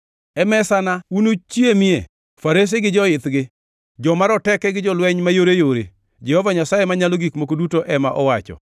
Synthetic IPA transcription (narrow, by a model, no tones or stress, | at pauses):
ɛmɛsanaunut͡ʃjemɪḛ | faɾes̬iɡɪd͡ʒɔɪt̪ɡɪ | d͡ʒɔmaɾɔtɛkɛɡɪd͡ʒɔlwɛɲmajoɾejoɾḛ | d͡ʒɛhɔvaɲasajemaɲaloɡikmokodutoʔɛmaʔɔwat͡ʃɔ̰